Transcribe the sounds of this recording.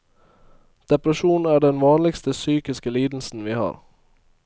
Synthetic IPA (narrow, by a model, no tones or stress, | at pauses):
d̪̥ɛpɾɑʃuːnn̩æːɖɛnʋɑːnlɪɡst̪əsyːkɪskəliːd̪l̩sn̩ʋiːhɑ̰ːɾ